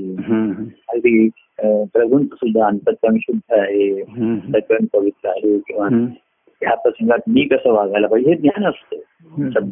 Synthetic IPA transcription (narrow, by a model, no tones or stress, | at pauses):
iɦaɾiː | pɾəɡʱunt͡səsud̪ʱːaənt̪ət̪ːəmɕud̪ʱːəaɦet̪əkəɳpəʋit̪ɾəaɦekĩw̃ʋa | japɾəsəŋɡat̪̚miːkəsəːʋaɡʱajlabəɡiɦed̪njanəst̪e | səb